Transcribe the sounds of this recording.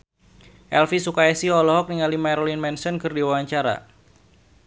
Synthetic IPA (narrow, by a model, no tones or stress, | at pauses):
ʔɛlfisukaɛsiɔlɔɦɔk̚niŋalimajɾolinmɛnsɔnkɨrdiwawaɲt͡ʃaɾa̰